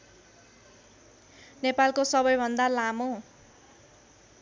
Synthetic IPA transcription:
nepalkosʌbʌjbʱʌnd̪alamo

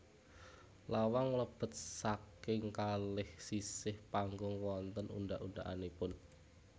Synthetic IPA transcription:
lawaŋləb̥ə̤t̪̚sakɪŋkalɪhsisɪhpaŋɡʊŋwɔnt̪ənṵndaʔunaʔa̰nepʊn

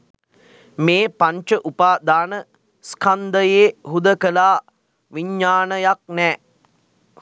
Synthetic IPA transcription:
meːpaɲt͡ʃəʔupaːd̪aːnə | skʰand̪əjeːɦud̪əkəlaː | ʋiɲːaːnəjak̚nɛː

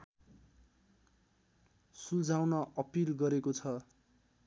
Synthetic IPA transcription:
sud͡zʱawnʌʔʌpilɡʌɾekot͡sʰʌ

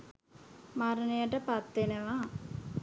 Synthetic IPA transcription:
maɾɐnejɐʈəpat̪ːeneʋa

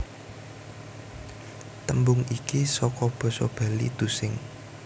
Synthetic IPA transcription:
t̪əmbʊŋikisɔkɔb̥ɔ̤sɔb̥ä̤lḭd̪̥ṳsɪŋ

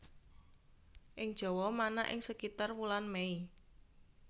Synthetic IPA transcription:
ʔɪŋd̥ʒ̥ɔ̤wɔmanaʔɪ̰ŋsəkit̪arwulanmei

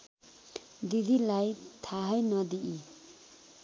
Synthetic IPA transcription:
d̪id̪ʱilajt̪ʰaɦʌjnʌd̪iʔi

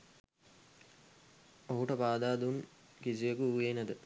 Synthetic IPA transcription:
oɦuʈəpaːd̪aːd̪unkis̬iəkuuːeːnəd̪ə

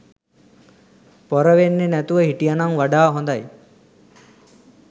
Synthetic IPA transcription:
poɾəʋenːenæt̪uʋəɦiʈijanaŋʋaɖaːɦõnd̪aj

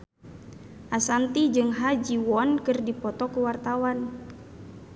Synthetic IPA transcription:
ʔasant̪id͡ʒɨŋɦad͡ʒiwɔnkɨrdipɔt̪ɔkəwart̪awan

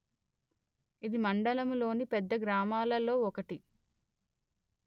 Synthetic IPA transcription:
id̪imɐɳɖɐlɐmulo̞ːnipɛd̪ːɐɡɾaːmaːlɐlo̞ːɔkɐʈi

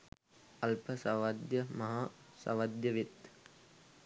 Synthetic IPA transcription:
ɐlpəsɐʋɐd̪jəmɐɦaːsɐ̰ʋɐd̪jəʋet̪

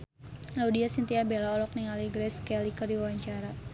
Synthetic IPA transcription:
laudiasint̪iabelaɔlɔk̚niŋaliɡɾɛskɛlikərdiwawaɲt͡ʃaɾa

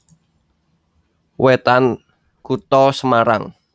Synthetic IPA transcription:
wet̪an | kut̪ɔsəmaɾa̰ŋ

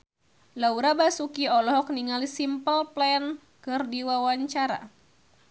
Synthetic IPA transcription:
lauɾabasukiɔlɔɦɔk̚niŋalisimpəlplɛn | kɨrdiwawaɲt͡ʃaɾa̰

